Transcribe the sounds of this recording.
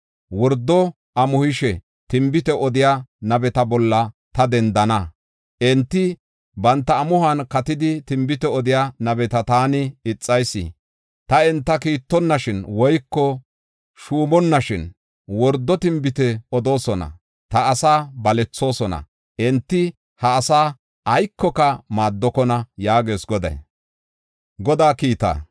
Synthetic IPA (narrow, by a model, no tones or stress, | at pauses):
wɔɾd̪ːɔ | ʔɐmʊhɪʃɛ | t̪ɪmbɪt̪ɛʔɔd̪ɪjanɐbɛt̪ɐbɔlːɐt̪ɐd̪ɛnd̪ɐnɐ | ʔɛnt̪ːɪ | bɐnt̪ːɐːmʊhɐnkɐt̪ɪd̪ɪt̪ɪmbɪt̪ɛɔd̪ɪjaːnɐbɛt̪ɐt̪aːnɪɪt͡sʼːɐjsɪ̰ | t̪ɐɛnt̪ːɐkiːt̪ːɔnːɐʃɪnwɔjkːɔ | ʃuːmɔnːɐʃɪn | wɔɾd̪ːɔt̪ɪmbɪt̪ɛɔd̪o̞ːsɔnɐ̰ | t̪ɐːsaːbɐlɛt͡sːo̞ːsɔnɐ̰ | ʔɛnt̪ːɪ | hɐːsaː | ʔɐjkːɔkɐmaːd̪ːɔkɔnɐjaːɡe̞ːsɡɔd̪ɐ̰j | ɡɔd̪aːkiːt̪a̰ː